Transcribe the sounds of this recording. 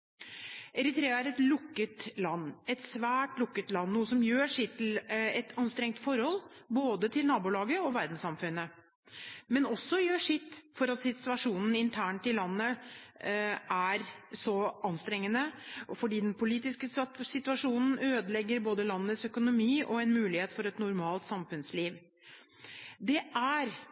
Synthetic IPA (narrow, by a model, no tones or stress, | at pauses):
ʔɛɾɪt̪ɾeːɑæɾɛt̪lʊkːət̪lɑnːɛt̪sʋæːʈlʊkːət̪lɑnːuːəsɔmjøːʂɪt̪ʰːɪlɛt̪ʰɑnst̪ɾɛŋt̪fɔɾhɔlːboːd̪ət̪ʰɪlnɑːbuːlɑːɡəɔʋæɾd̪n̩sɑmfʉnːə | mɛnɔsːɔjøːʂɪt̪ːfɔɾɑt̪sɪt̪ʉɑʂuːnn̩ɪnt̪ʰæːɳʈ̪ɪlɑnːə | ʔæɾsɔʔɑnst̪ɾɛŋːənəɔfɔɖiːd̪ɛnpʰʊliːt̪ɪskəsɪt̪ʉɑʂuːnn̩øːd̪əlɛɡːəɾboːd̪əlɑnːəːəsœkʊnʊmiːʔɔɛnmʉːlɪheːt̪fɔɾɛt̪nʊɾmɑːlt̪sɑmfʉnsliːʋ | d̪ɛʔæɾ